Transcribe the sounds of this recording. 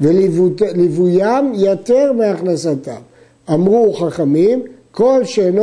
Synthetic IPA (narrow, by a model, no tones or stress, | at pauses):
velvulevujamjat̪eʁmeaχnasat̪a̰m | amʁuχaχamimko̞lʃen